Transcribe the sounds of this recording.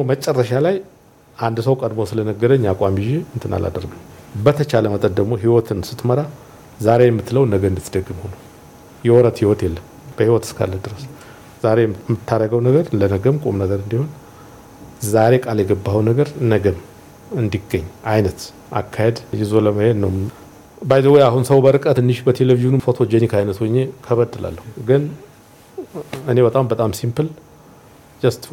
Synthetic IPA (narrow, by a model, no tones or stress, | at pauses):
momət͡ʃʼɛrːəʃalaj | ʔand̪səwkʼəd̪mo̞sɨlənəɡəd̪əɲːakʼamiʒeɨnt̪ʰɨna̰la̰d̪əɾɡəwbət̪ʰət͡ʃaləmət̪ʼənd̪əɡmo̞ɦiwɔt̪ʰɨnsɨt̪məɾa | zaɾe̞jɛmːɨt̪ːləwnəɡəɨnd̪ɨt̪ʰːd̪əɡːɨmho̞nəw | jɛwɔɾət̪hiwɔt̪jɛlːəm | b̥əhiwɔt̪ɨ̥skʰa̰lːəd̪ɨɾəs | zaɾemːɨt̪ʰːaɾːəɡəwnəɡəɾlənəɡəmkʼomnəɡəɾɨnd̪iho̞n | zaɾe̞kʼaljɛɡəbːawnəɡəɾnəɡəm | ɨnd̪iɡəɲːʔajnət̪ | ʔa̰kʰːahed̪jɪzoləməhed̪nəwm | bajzəwɔjahunsəwbəɾɨkʼət̪ɨnːɨʃbət̪ʰelevizunfo̞t̪ʰo̞d͡ʒɛnikʰajnət̪wɔɲːekʰəβəd̪ːɨla̰lːəhuɡɨn | ɨne̞βət̪ʼambət̪ʼamsimpɨl | d͡ʒəst̪